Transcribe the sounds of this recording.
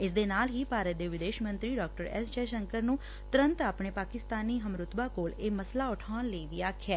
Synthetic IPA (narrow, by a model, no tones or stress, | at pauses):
ɪs̬d̪eːnaːlɦiːpaːɾət̪̚d̪eːʋɪd̪eːʃmə̃nt̪ɾiːɖaːk̚ʈəɾɛ̰sd͡ʒɛːʃəŋkəɾnũː | t̪ʊɾə̃nt̪aːpɳeːpaːkɪst̪aːniːɦəmɾʊt̪baːkoːleːməslaːʊʈʰaːnləiːʋiːaːkʰɪɛː